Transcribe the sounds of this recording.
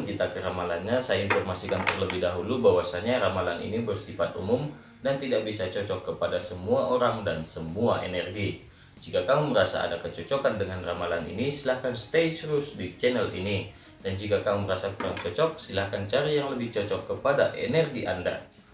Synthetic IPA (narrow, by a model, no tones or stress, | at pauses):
ŋkit̪akəɾamalanɲasajainfɔrmasikant̪ərləbɪhdaɦulubawasaɲaɾamalanḭnibərsifat̪umʊm | dant̪idaʔbisat͡ʃɔt͡ʃɔkːəpadasəmuaʔoɾaŋdansəmuaenɛrɡi | d͡ʒikakamuməɾasa̰a̰dakət͡ʃɔt͡ʃɔkandəŋanramalanḭnisilahkanst̪esɾusdit͡ʃɛnɛlḭni | dand͡ʒikakamuməɾasaŋt͡ʃɔt͡ʃɔk̚silahkant͡ʃaɾajaŋləbɪht͡ʃɔt͡ʃɔkːəpadaʔɛ̰nɛrɡiʔanda̰